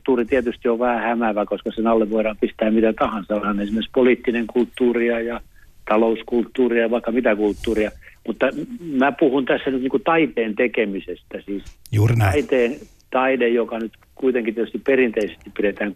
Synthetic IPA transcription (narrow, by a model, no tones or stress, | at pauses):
t̪ːuːrit̪iɛt̪yst̪ioʋʋæhæhæmæʋækoskɑsenɑlːeʋʋoiɾɑːmpist̪æːmmit̪æt̪ɑhɑnsɑhɑnensimerspoliːt̪ːineŋkult̪ːuːriɑjɑ | t̪ɑlouskult̪ːuːriɑʋɑikːɑmit̪ækult̪ːuːriɑmut̪ːɑmæpuhunt̪æsːænyt̪niːŋkut̪ɑit̪eːnt̪ekemisest̪æsiːsjuːrnæit̪eːn | t̪ɑinejjokɑnyt̪ | kuit̪eŋkit̪iet̪yst̪ipperint̪eisest̪ippiɾet̪æːŋ